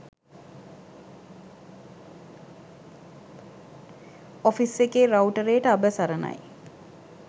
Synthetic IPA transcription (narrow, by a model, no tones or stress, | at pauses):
ofisekeːɾɐwʈəɾejəʈəabəsɐɾəna̰j